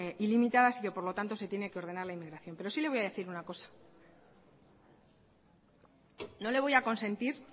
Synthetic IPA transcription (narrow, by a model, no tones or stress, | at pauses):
ʔilimit̪aðasike̞po̞ɾlo̞t̪ant̪o̞se̞t̪je̞ne̞ke̞o̞ɾðe̞naɾlaimːiɣɾaθjo̞mpe̞ɾo̞sile̞βo̞jaðe̞θiɾunako̞sḁ | no̞le̞β̞o̞jako̞nsẽ̞nt̪iɾ